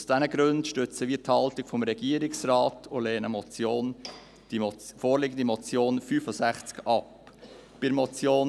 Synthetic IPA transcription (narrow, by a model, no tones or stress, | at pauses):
ʊsd̥ɛnəɡɾøntʃtøt͡səviːəthɑltɪɡ̥fɔmɾɛɡ̥iəɾɪksraːtʰoleːnəmɔt͡sjoːn | d̥ifoːɾlɪɡən̩d̪imɔt͡sjoːnfyːfʊsæχt͡skɑp | b̥ɪmɔt͡sjoːn